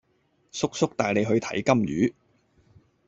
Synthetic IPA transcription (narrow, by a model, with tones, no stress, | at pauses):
sʊ˥k̚sʊ˥k̚t̪aː˨jle˨˧jɦɵ˧ɥt̪ʰɐ̰˨˥jkɐ˥mjyː˨˥